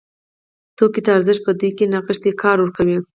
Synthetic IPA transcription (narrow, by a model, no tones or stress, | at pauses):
t̪okit̪aaɾzɪʃpəd̪ejkenɑqəʂt̪ekʰɑɾwəɾkawi